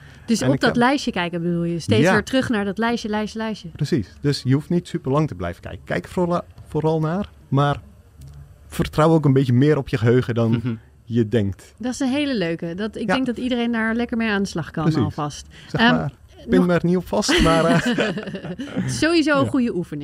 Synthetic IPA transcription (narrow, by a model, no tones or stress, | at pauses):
d̥øsɔp̚dɔtlɛɥʃjəkɛjkəbədulˠjəsteːsɪːɹtrøχnaːɹdɔtlɛjsəlɛjsəlɛɥsjəprəsisd̥øsjəuftnitsypərlɑŋtəblɛ̰jvəkɛ̰jkəkɛ̰jkfoɾɑlˠnaːr | maːr | fərtrawok̬ənbɪtjənmɪːɾɔpʰjəəɦøːɣədɔn | jədɛŋk̚t | dɔtɪsənɦeːləløɥkədɑtɪɡdɛŋkɡ̚dɑtidərejndaːɹlɛkəɹmejaːndəslɑχkɑnɔlˠfɑst | sɛa | ɪnmɛrniɔpfɑstma | ɪssowizowəχujəʔufənɪ̃ŋ